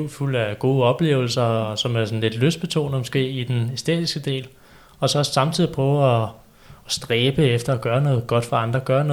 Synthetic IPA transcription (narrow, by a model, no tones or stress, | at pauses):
ʊ̰ful̰æɡ̥o̝ːəɒ̽b̥le̝̰ːʊl̩sɐsɒ̽mæɐsɔ̽n̩le̝d̥løsd̥̚b̥e̝t͡sʰo̝̰ːnð̩ˠmo̝sɡ̥e̝̰ːid̥enesd̥ḛːd̥isɡ̥əd̥e̝̰ːl | ɒ̽sɒ̽ɒ̽ssɑ̈mt͡sʰið̰ˠipʰʁɒɒ | sd̥ʁɛːb̥əefd̥ɐɒɡ̥ɶːɐnɔ̽ːð̩ˠɡ̥ɒ̽d̥fɑ̈ɑ̈nd̥ʁɐɡ̥ɶːɐnɔ̽